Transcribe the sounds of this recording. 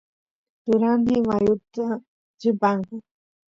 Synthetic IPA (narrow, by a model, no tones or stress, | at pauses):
t̪ʊɾanɪmajʊt̪a | t͡ʃɪpaŋka